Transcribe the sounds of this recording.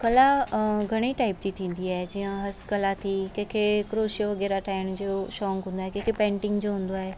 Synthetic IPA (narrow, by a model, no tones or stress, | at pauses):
kɐlaɡʱɐɽ̃iʈaːɪp̚d͡ʑit̪ʰĩːn̆d̪iaːɦed͡ʑijãɦɐskɐlat̪ʰikẽːkʰekɾoːʃjoʋɐɡɛːɾaʈʰaːɪɽ̃d͡ʑoːʃɔːŋɡɦʊ̃ːnd̪aːɦekẽːkʰepɛ̃ːɳʈɪ̃ŋɡd͡ʑoɦʊ̃ːn̆d̪oaːɦeː